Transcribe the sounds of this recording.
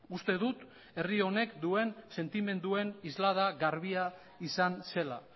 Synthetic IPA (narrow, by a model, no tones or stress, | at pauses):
ust̪e̞ðut̪ | e̞rio̞ne̞kd̪ue̞nse̞nt̪ime̞nd̪ue̞nizlað̞aɣaɾβia | isanse̞la̰